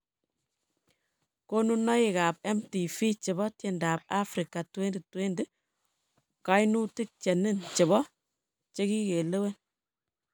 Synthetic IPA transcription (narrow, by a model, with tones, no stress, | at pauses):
ko˦nu˦nɔ˦i˨ka˨pɛ˦mti˨fi˦t͡ʃɪ˨bɔ˦tje˨nda˨p̚a˦fɾi˨ka˨twe˦ndi˨twe˦nde˦ | ka˨˦jnu˦ti˦k̚t͡ʃɛ˨ni˦nt͡ʃɪ˨bɔ˦ | t͡ʃe˦ki˦ke˨le˦we˦n